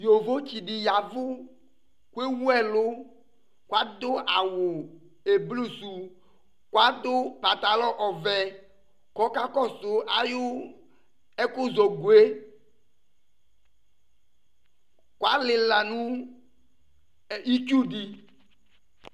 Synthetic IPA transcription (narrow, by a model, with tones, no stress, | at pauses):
jo˨vo˦t͡ʃi˨dɪ˨ja˨vʊ˦ | kwe˦wu˦ɛ˦lʊ˦ | kwa˦d̪ʊ˦ʔa˨wʊ˨ | e˨blu˦˨su˨ | kwa˦d̪ʊ˦pa˨t̪a˨lɔ˦ʔɔ˨vɛ˨ | kɔ˦ka˦kɔ˦sʊ˨a˨jʊ˦ | ɛ˦kʊ˦zo˨ɡu˨e˦ | kwa˦lɪ˨la˨nʊ̃˦ | i˦t͡ʃu˦di˨